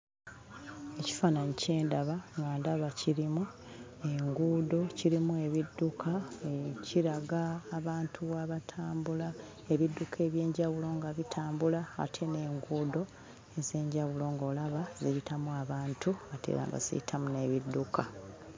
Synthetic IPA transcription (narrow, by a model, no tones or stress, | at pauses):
e̞ci̥fananice̞ːndaβaŋɡaːndaβaciɾimu | e̞ŋɡuːdo̞ciɾimue̞βidːukʰaeciɾaɡaːβaːntʰuwaβatʰaːmbula | e̞βidːukʰe̞ːβje̞ːɲɟaβulo̞ːŋɡaβitʰaːmbula̰ːtʰe̞ne̞ːŋɡuːdo̞ | eze̞ːɲɟaβulo̞ːŋɡo̞ːlaβaziɾitʰamuaβaːntʰuatʰḛa̰ŋɡa̰sḭḭtʰamune̞βidːukʰa